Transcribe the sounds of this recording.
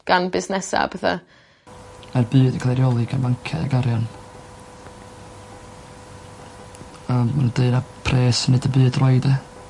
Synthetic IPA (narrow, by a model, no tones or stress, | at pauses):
ɡ̥anbɪsnɛsa̰b̥ɛθa̰ | arbɨːdəkʰlˠɛɾijɔlˠɨɡanvaŋkʰɛ̰a̰ɡaɾjan | əmmanadeɨnapʰreːsənɨdəbɨːdrɔɨdə